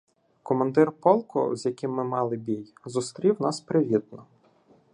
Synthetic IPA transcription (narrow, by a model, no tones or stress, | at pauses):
kɔmɐnd̪ɪrpɔlˠkɔ̰zʲjɐkʲɪmːɪmɑlˠɪbʲijzʊst̪ɾʲiwnɑspɾɪʋʲid̪̚nɔ